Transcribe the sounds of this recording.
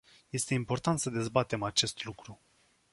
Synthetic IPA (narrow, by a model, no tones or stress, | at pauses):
je̞st̪e̞impo̞rt̪ant̪səd̪e̞zbat̪e̞mat͡ʃe̞st̪lukɾu